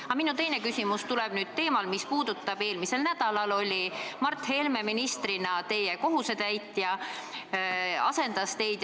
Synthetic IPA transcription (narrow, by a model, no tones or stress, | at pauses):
ɑminut̪e̞jne̞kysʲimust̪ulɛb̥nyːd̪̥̚t̪e̞ːmɑlmispuːd̪̥ut̪ːˑɑb̥e̞ːlmise̞lnæd̪̥ɑlɑlo̞lʲimɑrt̪ːˑhe̞lme̞minist̪ɾinɑt̪e̞jeko̞ɦuse̞t̪æjt̪ːˑjɑ | ɑse̞nd̪̥ɑst̪e̞jd̪̥